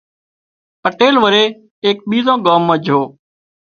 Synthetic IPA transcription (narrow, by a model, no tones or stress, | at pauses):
pəʈeːlʋəɾeː | eːk̚ɓiːzãːɠaːmːə̃ːd͡ʒʱɦoː